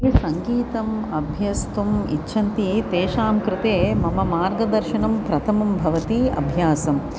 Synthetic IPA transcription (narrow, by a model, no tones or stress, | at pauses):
sɐŋɡiːt̪ɐmɐbʱjɐst̪umḭtːʃʰɐnt̪it̪eːʃaːmkɾɪt̪eːmɐmɐmaːɾɡɐd̪ɐɾʃɐnɐmpɾɐt̪ʰɐmɐmbʱɐʋɐt̪iɐ̰bʱjaːsɐm